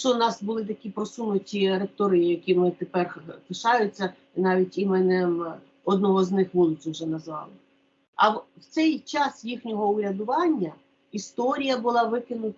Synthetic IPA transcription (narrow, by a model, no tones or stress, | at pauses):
t͡ʃɔnɑsbʊlˠɪt̪ɐkʲipɾɔsunʊtʲiɾekt̪ɔɾɪjijɐkʲimɪt̪epɛrp̪ɪʃɑjʊt͡sʲːɐ | nɑʋʲitʲimɛnem | ɔd̪nɔɦɔznɪxʋulˠɪt͡sʲɪwʒɛnɐzʋɑ̰lˠɪ | ɐwwt̪sɛjt͡ʃɑsjixnʲɔɦɔʊɾʲɐd̪ʊʋɑnʲːɐ | ist̪ɔɾʲijɐbʊlˠɑʋɪkɪnʊt̪